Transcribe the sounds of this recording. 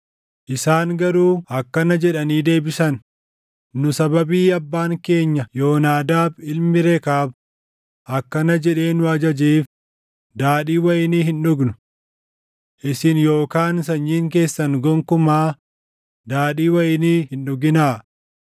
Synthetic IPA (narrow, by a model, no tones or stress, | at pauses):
ʔɪsaːŋɡɐɾuːɐkːɐnɐd͡ʒɛᶑɐniːd̪e̞ːbɪsɐn | nʊsɐbɐbiːɐbːaːŋke̞ːɲːɐjo̞ːnaːd̪aːbɪlmɪɾekaːb | ʔɐkːɐnɐd͡ʒɛᶑe̞ːnʊɐd͡ʒɐd͡ʒiːf | d̪aːɗiːwɐʔɪniːɦɪnᶑʊɡnʊ | ʔɪsɪnjo̞ːkaːnsɐɲːiːŋk̬e̞ːsːɐnɡɔŋkʊmaː | d̪aːɗiːwɐʔɪniːhɪnᶑʊɡɪnaː